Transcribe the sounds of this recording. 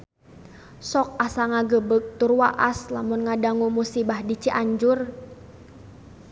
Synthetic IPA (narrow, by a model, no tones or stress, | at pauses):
sɔk̚asaŋaɡəbək̚t̪urwaʔaslamʊnŋadaŋumusibahdit͡ʃiʔaɲd͡ʒʊr